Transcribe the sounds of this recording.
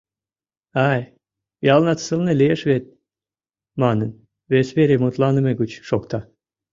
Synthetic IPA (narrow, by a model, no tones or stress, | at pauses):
ɑj | jɑlnɑt̪səlˠnelʲijeʃβet̪̚ | mɑnən | βesβeɾʲemot̪lˠɑnə̆meɡut͡ɕʃokt̪ɑ